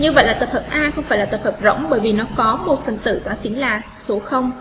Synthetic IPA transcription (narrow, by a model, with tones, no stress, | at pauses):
ɲɨ˧və̰˧˨jlaː˨˩t̪ə˨˩p̚həː˨˩p̚ʔaː˧xə˧wŋ͡mfaː˧˩jlaː˨˩t̪ə˨˩phəː˨˩p̚zə̰˧˥wŋ͡mɓəː˧˩jvi˨˩nɔ˨˦kɔ˨˦mo˨˩t̚fə˨˩nt̪ɨ̰˧˨t̪waː˧˩t͡ɕï˨˦ənlaː˨˩so˨˦xə˧wŋ͡m